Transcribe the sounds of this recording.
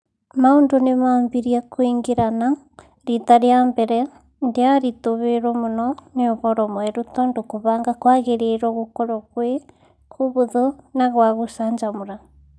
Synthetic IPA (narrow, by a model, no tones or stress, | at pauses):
maondonemambiɾiakwiŋɡiɾana | ɾitaɾjambɛɾɛ | ndeaɾitoβeɾɔmunɔneoβɔɾɔmwɛɾutɔndokoβaːŋɡakwaɣeɾeɾɔɣokɔɾɔɣwe | kuβuðonaɣwaɣusaɲd͡ʒamuɾa